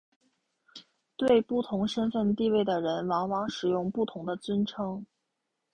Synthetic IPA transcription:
t̪we˥˧ɪpu˥˩t̪ʰʊ˧˥ŋʂə˥nfə˥˧nt̪i˥˧we˥˩ɪd̪ə˩ɻə˧˥nwɑ˧˥ŋwɑ˧˥ŋʂɻ̩˨˩jʊ˥˧ŋpu˥˩t̪ʰʊ˧˥ŋd̪ə˧t͡swə˥nʈ͡ʂʰɤ˥ŋ

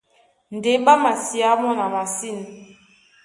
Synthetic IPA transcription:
n˨de˨˦ɓa˦ma˨si˨a˨˦mɔ˦na˨ma˨si˦˨n˨

